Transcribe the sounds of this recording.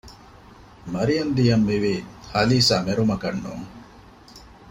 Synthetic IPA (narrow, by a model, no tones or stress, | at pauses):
mɐɾijɐnd̪ijɐmʋiʋihɐliːsaːmeɾumɐkɐnːṵŋ